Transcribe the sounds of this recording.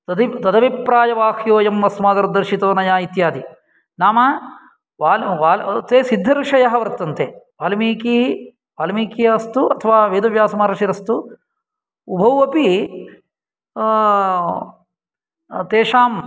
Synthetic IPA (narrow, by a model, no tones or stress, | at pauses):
t̪ɐd̪it̪ɐd̪ɐʋipɾaːjɐʋaːkjoːjɐmʋɐsmaːd̪ɐɾd̪ɐɾʃit̪oːnɐjaːit̪jaːd̪i | naːmɐ | ʋaːlʋaːlt̪eːsid̪ʱːɐɾuʂɐjɐɦɐʋɐɾt̪ːɐnt̪eʋaːlmiːki | ʋaːlmiːkijɐɐst̪uʔɐt̪ʰɐʋaːʋeːd̪ɐʋjaːsɐmaːɾɐʃiɾɐst̪u | ubʱɐwɐpi | t̪eːʂaːm